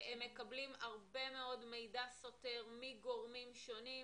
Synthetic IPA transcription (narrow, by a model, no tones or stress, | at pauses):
emːe̞kablimaʁbe̞me̞o̞dme̞jdasote̞ʁmiɡo̞ʁmimʃoni